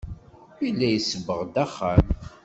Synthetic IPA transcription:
ilːæjəsəvːəʁd̪æχːæm

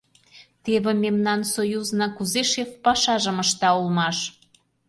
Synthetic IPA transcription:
t̪eβĕmemnɑnsojuznɑkuzeʃefpɑʃɑʒə̆məʃt̪ɑulmɑʃ

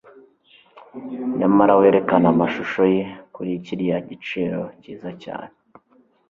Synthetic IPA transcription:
ɲamaɾawe̞ːɾe̞kanamaʃuʃojekuɾiciɾijaɟit͡ʃiːɾo̞ciːzaca̰ːne

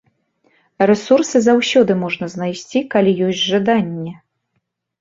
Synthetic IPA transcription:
rɛsursɨzawsʲɔd̪ɨmɔʐnɐznajsʲt͡sʲikalʲijɔsʲdʲʐad̪anʲːɛ

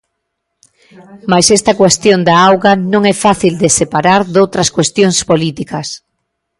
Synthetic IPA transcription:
majsɛst̪ɐkwest̪jond̪aawɣɐnõŋɛfaθild̪esepaɾaɾðowt̪ɾɐskwest̪joŋspolit̪ikɐs

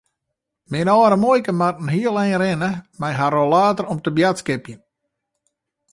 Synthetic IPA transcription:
mɪnɔːɾəmojkəmatn̩ɦiəlˠɛːrɪnəmɛjɦaɾolaːtərɔmtəbjatskɪpjən

